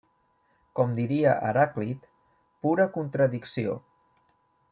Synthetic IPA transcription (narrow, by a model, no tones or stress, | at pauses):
kɔmd̪iɾiəʔə̰ɾaklit̪ | puɾəkunt̪ɾəðiksio̰